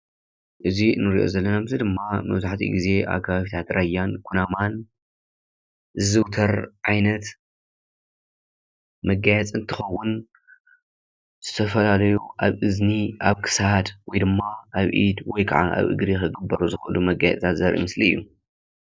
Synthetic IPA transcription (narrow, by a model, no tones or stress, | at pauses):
ʔɨzinɨɾiʔo̰zɐlːɐnamɨzid̪ɨmːamɐ̰βzaħt̪ʰḭɡize̞ʔa̰βkʰaβaβit̪ʰat̪ɾajːankʰunaman | zɨzɨwt̪ʰɐɾʕajnɐt̪ | mɐɡajɛt͡sʼɨnt̪ʰɨxɐwːʊn | z̥ɨt̪ʰɐfɐlalɐjuʔaβʔɨzniʔaβkʰɨ̥sd̪wɔjd̪ɨmːaʔaβʔḭd̪wɔjkʰaʕaʔa̰βʔɨ̰ɡɾixɨɡɨbːɐɾuzɨxɐʔɨlumɐɡajɛ̰t͡sʼt̪ʰat̪zɐɾʔḭmɨsliɨjːu